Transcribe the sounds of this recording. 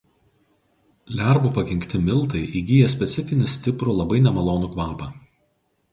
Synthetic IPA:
lʲæˑɾbuːˑpɐkʲɪŋʲkt̪ʲɪmʲɪlˠˑt̪ɐɪʔiɡʲiːjɛsʲpʲɛt̪sʲɪfʲɪnʲɪsʲt̪ʲɪpɾʊlˠɐbɐɪnʲɛmɐlˠoːnʊkʋɑːpɐ

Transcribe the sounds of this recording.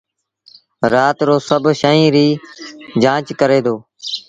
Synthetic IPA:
ɾaːt̪ɾoːsəbʱʃəĩːɾiːd͡ʒãːt͡ʃkəɾeːd̪oː

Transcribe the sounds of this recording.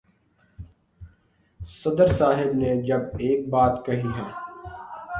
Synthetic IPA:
sɐd̪əɾsaːɦɪbned͡ʒɐbeːk̚baːt̪kɐɦiɦɛː

